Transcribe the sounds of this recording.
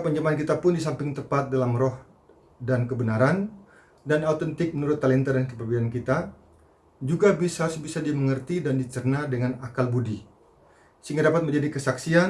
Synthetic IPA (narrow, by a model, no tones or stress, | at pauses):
pəɲd͡ʒamank̬it̪apʊndis̬ampɪŋt̪əpat̪̚dalamrɔh | dankəbənaɾan | danaut̪ənt̪ɪk̚mənuɾʊt̪ːalɛnt̪adankəpəbidankit̪a | d͡ʒuɡabisasbisadiaməŋərt̪idandit͡ʃərnadəŋanakalbudi | səɦiŋɡadapat̪məɲd͡ʒadikəsaksian